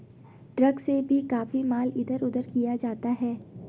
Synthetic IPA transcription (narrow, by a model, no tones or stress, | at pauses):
ɖɾɐɡsebʱikaːfimaːlɪd̪əɾʊd̪əɾkijad͡ʒaːt̪aɦɛː